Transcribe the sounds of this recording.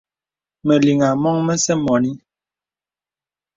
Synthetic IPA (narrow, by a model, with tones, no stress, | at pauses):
mɛ˨li˨ŋa˨mɔ˦ŋmɛ˦sɛ˦mɔ˨ni˦